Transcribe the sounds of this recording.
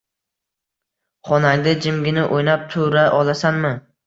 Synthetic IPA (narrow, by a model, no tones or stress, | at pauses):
χɒnaŋd̪ɪd͡ʒɪmɡʲɪnɪʔojnap̚t̪ʰʊɾaʔɒlˠasanmɪ